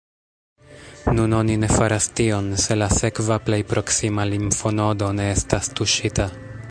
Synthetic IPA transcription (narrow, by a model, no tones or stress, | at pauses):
nuno̞nine̞faɾastio̞nse̞lase̞kvaple̞jpɾo̞ksimalimfono̞do̞ne̞estastuʃita